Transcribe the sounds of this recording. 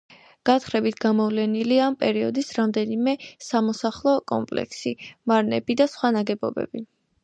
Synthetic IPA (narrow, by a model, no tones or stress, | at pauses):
ɡ̥at̪χɾɛbit̪ʰɡ̥amɔvlɛniliaːmpʼɛɾiɔd̪isɾamd̪ɛnimɛsamɔsaχlˠɔkʼɔ̰mpʼlɛ̰kʰsimaɾnɛ̰bid̪asχwanaɡɛbɔ̰bɛ̰bi